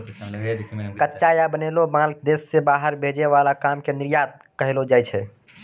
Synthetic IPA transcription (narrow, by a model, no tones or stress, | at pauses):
kətːt͡ʃajabənelobãld̪esːebaɦəɾbʱed͡ʒeʋalakamkeniɾjat̪̚ | kəɦelod͡ʒajt͡ʃʰɛ